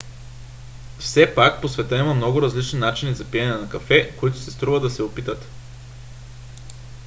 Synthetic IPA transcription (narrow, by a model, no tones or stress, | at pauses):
fsɛpak̚posvɛt̪əimɐmnɔɡʊɾɐzlit͡ʃninat͡ʃinizɐpiɛnɛnɐkɐfɛkoit̪ʊsɛst̪ɾuvəd̪ɐsɛopit̪ət̪